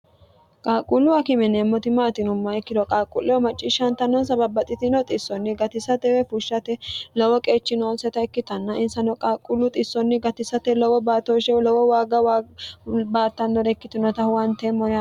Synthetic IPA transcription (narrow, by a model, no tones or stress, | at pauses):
kʼaːkʼʊlːʊwɐkɪmɛnɛmːɔt̪ɪmaːt̪ɪnʊmːɐɛkːɪlɔkʼaːkʼːʊlːɛwɔmɐt͡ʃʼːɪʃɐnt̪ɐnːɔnsɐbɐbɐt̪ʼɪt̪ɪnɔt̪ʼɪsːɔnːɪɡɐt̪ɪsɐt̪ɛwɛfʊʃːɐt̪ɛlɔwɔkʼe̞ːt͡ʃːɪnoːnsɛt̪ɐɛkːɪt̪ɐnːɐʔɪnsɐnɔkʼaːkʼʊlːʊt̪ʼɪsːɔnːɪɡɐt̪ɪsɐt̪ɛlɔwɔbaːt̪oʃɛlɔwɔwaːɡɐwa | baːt̪ːɐnːɔɾɛkːɪt̪ɪnɔt̪ɐwɐnt̪ɛmːɔ